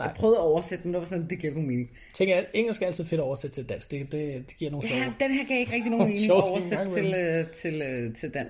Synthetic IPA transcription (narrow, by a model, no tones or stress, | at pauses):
ɑ̰pʰʁœːʊðˠɐɒʊɐsed̥ə̥demndeʋɑsɔnd̥eɡ̥iɐɡ̥omeːneŋ | t͡sʰeŋɡɐjeŋ̰l̩sɡ̥ʰææl̰t͡sʰið̩ˠfe̝ɾ̥ɒɒʊɐsed̥ət͡sʰeld̥æn̰sɡ̥d̥e̝d̥e̝d̥eɡ̥iɐ̰no̝ːnd̥enheɐ̰ɡ̥iɐje̝ɡ̥ʁɛɡ̥d̥ino̝nme̝ːneŋ̰ɒɐsed̥t͡se̝lt͡sʰe̝løt͡sʰe̝ld̥æn̰